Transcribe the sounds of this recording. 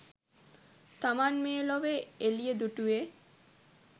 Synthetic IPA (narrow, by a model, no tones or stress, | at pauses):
t̪amaːnmeːloʋeelijəd̪uʈuʋe